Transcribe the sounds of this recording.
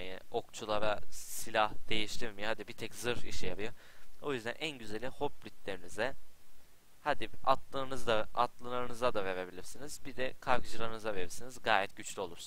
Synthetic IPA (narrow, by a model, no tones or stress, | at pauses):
ɯo̞kt͡ʃʰulˠavɛsilʲahd̪̥e̞jiʃt̪ʰiɾmihad̪ibit̪ʰɛczɯɾiʃijapʰɯjoo̞jyzd̪ænʔænɟyzelʲiho̞p̚bɾʲit̪lʲe̞ɾinizɛ | had̪iat̪lˠɯːnɯzd̪aat̪lˠɯlˠaɾɯnɯzad̪ave̞ɾe̞bilʲiɾsinizbid̪ɛkʰaɾkɯd͡ʒɯɾˠaɾɯnɯzave̞ɾiɾsinizɡaːjɛt̪ɟyt͡ʃlʲyo̞lˠuɾs